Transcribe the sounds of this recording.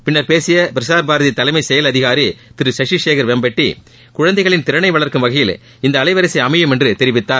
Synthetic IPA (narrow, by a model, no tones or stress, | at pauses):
pɪnːɐɾpeːsɪjɐpɪɾɪsaːɾbaːɾɐðɪt̪ːɐlɐɪmɐɪsɛjɐlɐðɪɣaːɾit̪ɪɾɯsɐʂiʂeːkɐɾʋɛmbɐʈːi | kʊɻɐnd̪ɐɪɣɐɭɪnt̪ɪɾɐɳɐɪʋɐɭɐɾkɯmʋɐɣɐjɪl | ɪnd̪ɐːɭɐɪʋɐɾɐɪsɐɪɐmɐjɯmɛndrɯt̪ɪɾɪʋɪt̪ːaːɾ